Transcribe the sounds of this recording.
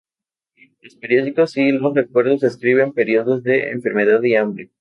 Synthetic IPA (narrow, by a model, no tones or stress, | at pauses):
lospeɾjo̞ðiko̞silo̞sre̞kwe̞ɾðoseskɾiβe̞mpe̞ɾioðo̞zðe̞ḛɱfe̞ɾme̞ðaðiambɾe